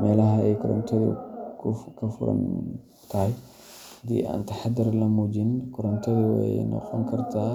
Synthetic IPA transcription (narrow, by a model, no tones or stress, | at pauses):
mɛːlɐɦɐɛjkʰɔɾɔ̰nt̪ʰɐðḭkʰʊkʰɐfʊ̰ɾɐ̰n | t̪ʰɐj | hɐd̪ḭːʔa̰ːnt̪ɐħad̪ɪɾlɐmuːd͡ʒɪnkʰɔɾɔnt̪ʰɐðiwɛ̰nɔ̰qɔŋkʰɐɾt̪ʰaː